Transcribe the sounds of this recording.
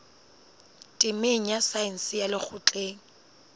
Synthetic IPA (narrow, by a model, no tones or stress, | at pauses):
tʼɪmeŋ̩jasaɪn̩sɪjalɪk͡xʰʊt͡ɬʼeːŋ̩